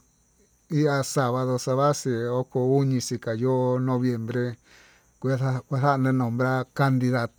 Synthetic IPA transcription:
i˦a˧sa˧βa˧ðo˧sa˧βa˦si˧˨o˦ko˧u˦ɲĩ˧si˧ka˨jo˦˧nõ˧βje˨mbɾe˧ | kʷu˧a˦a˦kʷa˦θa˦ʔnẽ˧˦nõ˨mbɾa˦ka˧nd̪i˧ða˧t̪

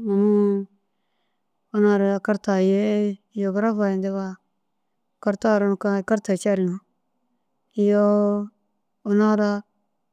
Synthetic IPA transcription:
ma˨mu˦ | o˦na˦ɾa˨a˨ka˦ɾta˨je˦ | jo˨ɡɾa˦fa˨nde˦βa˦ | ka˦ɾta˦˨ɾa˦nu˨ka˦˨ka˦ɾta˨t͡ʃa˦ɾi˨nu˨˦ | i˦jo˦ | o˨na˦ɾa˦

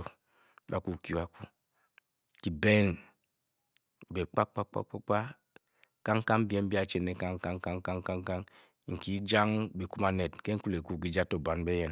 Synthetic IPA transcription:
o˨ | ba˨ku˨ki˦u˨˦a˨ku˨ | ki˨be˦n˨ | be˨k͡pa˦k͡pa̰˦k͡pa̰˦k͡pa˦k͡pa˦ | ka˦ŋ˦ka˦m˦bi˦ɛ˦m˦bi˦a˨t͡ʃe˨ne˨ka˦ŋ˦ka˦ŋka˦ŋ˦ka˦ŋ˦ka˦ŋ˦ka˦ŋ | ŋ̩˨ki˦d͡ʒa˦ŋbi˨ku˦ma˨ne˨tke˦ŋ̩˦ku˦le˨ku˦˨k̬i˨d͡ʒa˦to˨ba˨n˦be˦jɛ˨n

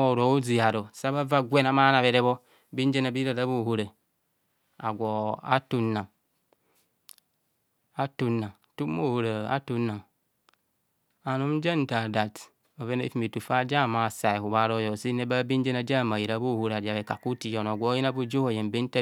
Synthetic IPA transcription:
o˨ɾo˨˦u˦zi˨a˨ɾo˨sa˦ba˦va˦ɡʷe˦na˨ma˦na˨βe˨ɾe˦βo˦ | bi˦n˦d͡ʒe˦na˨bi˦ɾa˨da˦βu˦˨hu˦ɾe˨ | a̰˨ɡʷo˨a̰˦tu˦nːa˨ŋ | a˦tu˦nːa˨ŋ | tu˦mːo˦hu˨ɾe˨a̰˦tu˦nːa˨ŋ | a˨nu˦m˦d͡ʒa˦n˦ta˨da˨t | o˨βe˦nḛ˦fi˦mi˨tu˨fa˦d͡ʒa˦˨ma˨sa˨i˨hu˨βa˦ɾo˦jo˨si˦ne˦ba˦bi˦n˦d͡ʒe˦na˦d͡ʒa˦˨ma˨ji˨ɾa˨˦bu˦˨hu˦ɾa˨d͡ʒa˨e˨ka˨ku˦ti˨jo˨no˨ɡʷo˨˦ji˦na˦bu˦d͡ʒo˦ho˨je˨mbe˦ta˦

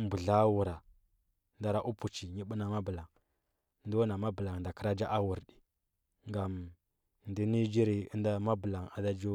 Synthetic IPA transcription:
mbu˨ɮa˦wu˨ɾa˨ | nda˦ɾa˦ʔu˦pu˨t͡ʃi˨ɲi˦ɓu˦na˨ma˦bu˨la˨ŋ˨ | ndu˦na˨ma˦bə˨la˨ŋ˨n˨da˨kə˦ɾa˦d͡ʒa˦ʔa˦wu˨ɾɗi˨ | ŋɡa˨m | ndi˦ni˦d͡ʒi˦ɾi˨i˦nda˦ma˦bu˨la˨ŋa̰˨da˦d͡ʒu˦

